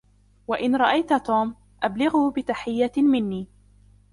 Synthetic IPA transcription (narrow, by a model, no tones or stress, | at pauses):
waʔɪnɾˤɑʔajt̪at̪uːm | ʔablɪɣuːbɪt̪aħɪjːamɪnːiː